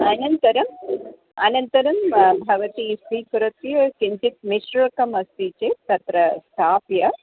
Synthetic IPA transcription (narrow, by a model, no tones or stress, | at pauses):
ɐnɐnt̪ɐɾɐm | ɐ̰nɐnt̪ɐɾɐmbʱɐʋɐt̪isikɾɨt̪jɐkint͡ʃ̪it̪̚miʃɾɐkɐmɐst̪it͡ʃet̪ɐt̪ɾɐst̪ʰaːpjɐ